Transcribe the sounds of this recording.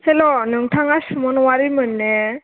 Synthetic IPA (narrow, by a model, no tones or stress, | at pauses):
helonɯŋtʰaŋasumɔnwaɾimɯnːe